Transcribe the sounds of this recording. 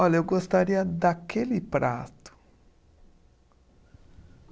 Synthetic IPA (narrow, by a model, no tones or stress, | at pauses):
ɔʎɐewɡost̪aɾiɐd̪akʰelɪpɾʔa̰t̪ʊ̥